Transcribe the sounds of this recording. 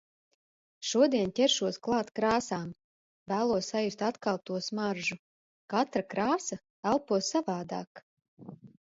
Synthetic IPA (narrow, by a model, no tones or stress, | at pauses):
ʃuɔd̪iɛntʲɛɾʃuɔsklˠɑːt̪kɾaːsaːm | væːlˠuɔssajust̪at̪kalˠp̚t̪uɔsmaɾʒu | kat̪ɾakɾaːsa | alˠpuɔsːavaːd̪a̰ːk